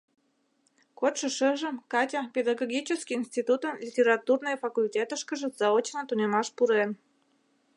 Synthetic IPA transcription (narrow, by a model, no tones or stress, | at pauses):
kot̪ʃə̆ʃəʒə̆mkɑtʲapʲed̪aɡoɡʲit͡ɕəskʲiinsʲtʲit̪ut̪əmlʲitʲeɾɑt̪urnəjəfɐkulʲtʲet̪əʃkəʒə̆zɑot͡ɕnət̪unʲemɑʃpuɾen